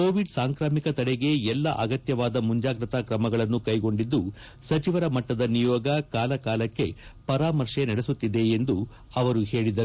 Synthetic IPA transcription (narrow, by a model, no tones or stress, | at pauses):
koːʋiɖsaːŋkɾaːmikɐt̪ɐɽɛɡe̞ɛlːɐʔɐɡɐt̪jɐʋaːd̪ɐmuɲd͡ʒaːɡɾɐt̪akɾɐmɐɡɐɭɐnːukɐjɡo̞ɳɖid̪ːu | sɐt͡ʃiʋɐɾɐmɐʈːɐd̪ɐnijɔːɡɐkaːlɐkaːlɐkːe̞pɐɾaːmɐɾʂenɐɽesut̪ːid̪e̞ːnd̪u | ɐʋɐɾuɦe̞ːɭid̪ɐu